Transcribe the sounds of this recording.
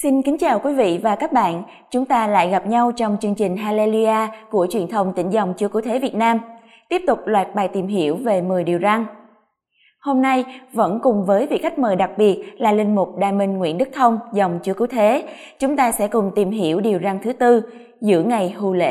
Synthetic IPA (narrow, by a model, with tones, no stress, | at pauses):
si˧nkï˨˦ŋ̟t͡ɕaː˨˩wkwi˨˦vḭ˧˨vaː˨˩kaː˦˥k̚ɓa̰ː˧˨n | t͡ɕʊ˨˦ŋ͡mt̪aː˧la̰ː˧˨jɣa˨˩p̚ɲa˧wt͡ɕɔ˧wŋ͡mt͡ɕɨ˧əŋt͡ɕï˨˩ŋ̟ɦaː˧le˧li˧aː˧ku˧˩ət͡ɕwi˨˩ənt̪ʰə˨˧˩wŋ͡mt̪ḭ̈˧˩ŋ̟za˨˩wŋ͡mt͡ɕɨ˨˦əkɨ˧˦wt̪ʰe˨˦vi˨˩ət̚naː˧m | t̪i˦˥əp̚t̪ʊ˨˩k͡p̚lwa̰ː˧˨jt̚ɓaː˨˩jt̪i˨˩mɦi˧˩əwve˨˩mɨ˨˩əjɗi˨˩əwza˧ŋ | ho˧mna˧jvə̰˧˥nkʊ˨˩ŋ͡mvəː˨˦jvḭ˧˨ka˦˥k̟̚məː˨˩jɗa˨˩k̚ɓi˨˩ət̚laː˨˩lï˧ŋ̟mʊ˨˩k͡p̚ɗa̰ː˧˨jmï˨˩ŋ̟ŋwḭ˧˥ənɗɨ˦˥k̚t̪ʰə˧wŋ͡mzɔ˨˩wŋ͡mt͡ɕɨ˧˨˦əkɨ˧˦wt̪ʰe˨˦ | t͡ɕʊ˨˦ŋ͡mt̪aː˧sɛ̰˧˥kʊ˨˩ŋ͡mt̪i˨˩mɦi˧˩əwɗi˨˩əwza˧ŋt̪ʰɨ˨˦t̪ɨ˧ | zɨ̰˧˥əŋa˨˩jhu˨˩lḛ˧˥